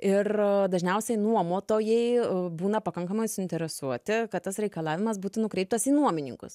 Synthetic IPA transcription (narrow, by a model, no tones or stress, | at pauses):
ɪrd̪ɐʒʲnʲɛʊsʲɛɪnuɔmoːt̪oːjɛɪbuːnɐpɐkɐŋkɐmɐɪsʊɪnʲt̪ʲɛɾʲɛsuɔt̪ʲɪkɐt̪t̪ɐsɾʲɛɪkɐlˠɑːʋʲɪmɐsbuːt̪ʊnʊkɾʲɛɪp̚t̪ɐsiːnuɔmʲɪnʲɪ̰ŋkʊ̰s